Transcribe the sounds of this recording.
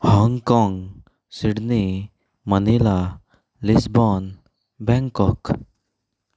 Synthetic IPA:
hɔŋɡkɔ̃ŋɡ | siɽni | mənila | lisbɔn | bɛ̃ŋkɔk

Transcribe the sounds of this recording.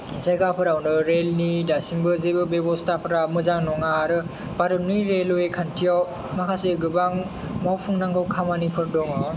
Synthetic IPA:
isajɡapʰɯɾawnɯɾelnidasimbɯzebɯbebɔstapʰɯɾamɯzaŋnɔŋaɾɯ | paɾɯnɯjɾeloekʰantʰijaw | makʰaseɡɯbaŋ | mawpʰuŋnaŋɡawkʰamanipʰɯɾdɔŋɔ

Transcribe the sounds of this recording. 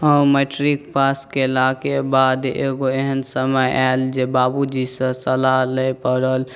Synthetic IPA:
ɦəũmeʈɾikpaskelakebad̪ḛɡoeɦənsəməjʔald͡ʒebabud͡ʒisə̃səlaləjpəɾəl

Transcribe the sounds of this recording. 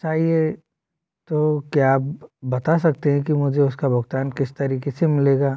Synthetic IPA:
t͡ʃaːɦie | t̪okjaːpbɐt̪as̬ɐk̚t̪eɦɛ̃k̬imʊd͡ʒʱeʊskabʊɡt̪aːnkɪst̪ɐɾiːkesemɪleːɡaː

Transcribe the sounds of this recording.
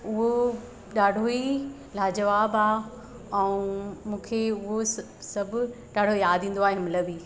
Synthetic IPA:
ʊɦo | ɗaːɖʱoi | laːd͡ʑɐʋaːbaː | ɛ̃ũmũːkʰeʊɦo | sɐbʱɗaːɽʱojaːd̪ʱĩːnd̪oaːɦeɦɐmɪləbiː

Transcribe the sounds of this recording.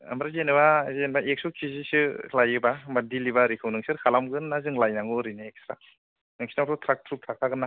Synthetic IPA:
a̰mɾazenɯbazenbaʔek̚sɔkʰizisɯlajɯbamadilibaɾikʰɯwnɯŋsɯɾkʰalamɡɯnnːazɯŋlajnaŋɯɾɯjnɯek̚stɾa | nɯŋsi̥natʰɔtʰɾak̚tʰɾup̚tʰɾak̚ʰaɡɯnːa

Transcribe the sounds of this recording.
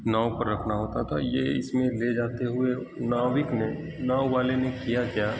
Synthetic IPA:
naːwpɐɾːɐkʰnaɦoːt̪at̪ʰa̰jeɪ̰smẽled͡ʒaːt̪eɦʊe | naːʋɪkne | naːwʋaːlenekijakjaː

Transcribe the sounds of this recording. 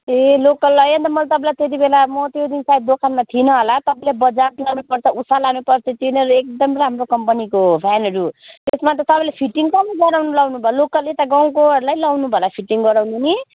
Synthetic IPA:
elokʌlʌjʌnt̪ʌmʌlt̪ʌpãlajt̪et̪̬ibelamʌt̪jod̪insaid̪̚d̪okʰanmat̪ʰinʌɦolat̪ʌpãĩlabʌd͡zaplanupʌrt͡sʰʌusalanupʌrt͡sʰʌt̪inʌɾuek̚d̪ʌmramrokʌmpʌnikobʱanʌɾut̪esmat̪ʌt̪ʌpãlepʰiʈːiŋsʌmʌɡʌɾawnulawnubʱʌlokʌlet̪aɡawkoʌɾulajlawnubʱʌlapʰiʈiŋɡʌɾawnuni

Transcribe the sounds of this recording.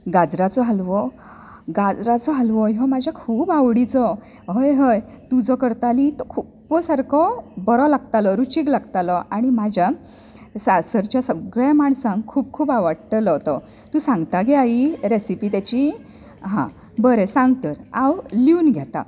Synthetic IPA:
ɡad͡zɾat͡sɔɦalʋɔ | ɡad͡zɾat͡sɔɦalʋɔɦɔmad͡ʑʱjakʰuːbaʋɽit͡sɔ | ɦəjɦəjt̪ud͡zɔkəɾt̪alit̪ɔkʰu | pːɔsaɾkʰɔbɔɾɔlaɡt̪alɔɾut͡ɕiɡlaɡt̪alɔʔaɽ̃imad͡ʑʱja | sasəɾt͡ɕjasəɡɭjamaɳsãnkʰuːb̚kʰuːbaʋəɽʈəlɔt̪ɔ | t̪ũsãŋɡt̪aɡeaiɾesipiːt̪at͡ɕi | ɦã̰ | bəɾesãŋɡt̪əɾawliunɡʱjat̪a̰

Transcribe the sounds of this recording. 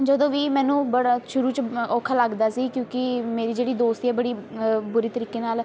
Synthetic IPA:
d͡ʒəd̪õːʋiːmɛːnũːbəɽaʃʊɾuːt͡ʃoːkʰaːləɡd̪aːsiːkjõːkɪmeːɾiːd͡ʒeːɽiːd̪oːst̪ːɛːbəɽiːbʊɾiːt̪əɾiːkeːnaːl

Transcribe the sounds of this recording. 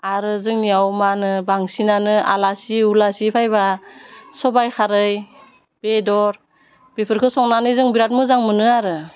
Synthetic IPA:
aɾɯzɯŋnijawmanɯbaŋsinanɯa̰lasiulasipʰajbasɔbajkʰaɾɯj | b̥edɔɾ | b̥epʰɯɾkʰɯsɔŋnanɯzɯŋbiɾat̚mɯzaŋmɯnɯaɾɯ

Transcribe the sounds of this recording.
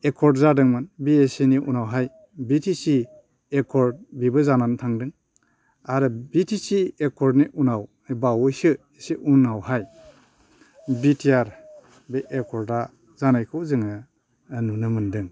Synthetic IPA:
ekʰɔɾdzadɯŋmɯnbieseniʔunawɦaj | bitʰisi | ekʰɔɾ̚bibɯzanantʰaŋdɯŋ | aɾɯbitʰisiekʰɔɾdniʔunaw | bawjsɯ | esiʔunawhaj | bitʰiaɾ | beʔekʰɔɾa | zanajkʰɯwzɯŋa | nunɯmɯndɯŋ

